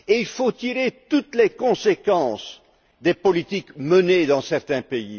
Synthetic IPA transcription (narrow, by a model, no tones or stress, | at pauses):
eilfot̪iʁet̪ut̪lekɔ̃sekɑ̃s | d̪epɔlit̪ikməned̪ɑ̃sɛʁt̪ɛ̃pei